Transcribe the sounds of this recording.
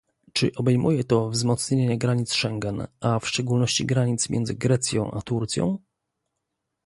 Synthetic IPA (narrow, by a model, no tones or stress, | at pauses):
t͡ʂɘ̰ʔɔbɛjmujɛt̪ɔvzmɔt̪sɲeɲɛɡɾaɲit̪sʂɛŋɡɛnafʂt͡ʂɛɡulnɔɕt͡ɕiɡɾaɲit̪smʲjɛ̰nzɘɡɾɛt̪sʲjɔ̰̃w̃ʔa̰t̪uɾt̪sʲjɔ̰̃w̃